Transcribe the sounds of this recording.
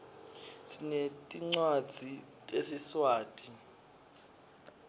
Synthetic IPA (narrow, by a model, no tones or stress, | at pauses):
sinetʼiŋ͡ǀwad̥d͡z̥ʱitʼesiswaːtʼi